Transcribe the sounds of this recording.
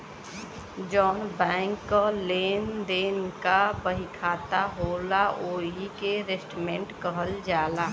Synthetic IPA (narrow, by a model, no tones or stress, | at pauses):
d͡ʒɔːnbɛ̃ːŋkːəleːnd̪eːnkabəɦikʰaːt̪aɦoːlaʔoːɦikeɾesʈmẽɳʈkəɦəld͡ʒaːlaː